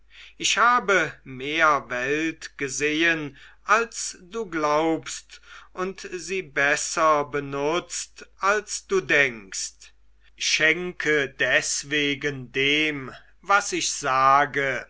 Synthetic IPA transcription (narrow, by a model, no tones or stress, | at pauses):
ʔɪʃhaːbəmeːɐvɛltɡ̥əzeːənʔalsd̥uːɡlaʊpstʔʊntziːbɛsɐbənʊt͡stʔalsd̥uːdɛŋkst | ʃɛŋkʰədɛsv̥eːɡəndeːm | vasɪʃz̥aːɡə